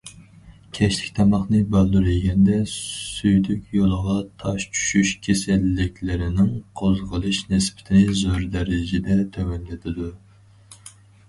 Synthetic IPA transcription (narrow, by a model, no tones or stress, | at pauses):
kʲʰɛʃlɪkʲt̪ʰɑmɑχnɨbælˠduɾeɡʲɛnd̪ɛsyjd̪ykʲjolˠəʁɑt̪ʰɑʃt͡ʃʰy̥ʃyʃkʲʰesɪlːɪkʲʰlɪɾɪnɪŋqʰozʁəlˠɨʃnɪspʰɪ̥t̪ʰɪnɪzoɾd̪ɛɾɪd͡ʒɪd̪ɛt̪ʰɛwɛnlɪd̪ʰɪd̪u